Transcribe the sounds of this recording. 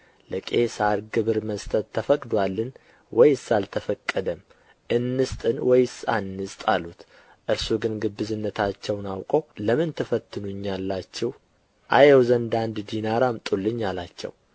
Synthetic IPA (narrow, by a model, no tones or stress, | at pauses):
ləkʼesaɾɡɨβɨɾməst̪ʰʼət̪ʰːəfəkʼd̪walːɨn | wɔjsalt̪ʰəfəkʼːəd̪əm | ʔɨnːɨst̪ʼɨnwɔjsa̰nːɨst̪ʼalut̪ | ʔɨɾsuɡɨnɡɨbːɨzɨnːət̪ʰat͡ʃːɛwnawkʼəwləmɨnt̪ʰəfət̪ʰːɨnuɲːalːat͡ʃːɛw | ʔa̰jewzənd̪and̪d̪inaɾamt̪ʼulːɨɲːalat͡ʃːɛ̰w